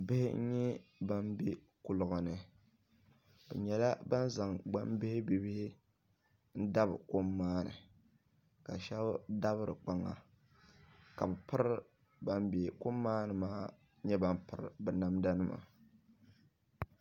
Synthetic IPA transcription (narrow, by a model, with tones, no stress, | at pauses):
bɪ˦hɪ̰˦ɲɛ˦ba˦mbi˦ | kʊ˨lʊ˨ɣʊ˨nɨ˨ | bɛ˨ɲɛ˨la˦ba˦n˦za˨ŋɡ͡ba˦mbɪ˦hɪ˦bi˨bɪ˦hɪ˦ | n̩˦da˦bɨ˨ko˦mːaː˦nɨ̰˨ | ka˨ʃɛ˦bda˦βɨ˦ɾɨ̰˨k͡pa˨ŋːa̰˨ | ka˨bɛ˨pɨ˦ɾ | ba˦mbe˨ko˦mːaː˦nɨ˨maː˦ | ɲɛ˦ba˦m˦pɨ˨ɾɨ˨bɨ˨na˨mda˦nɨ˦ma̰˨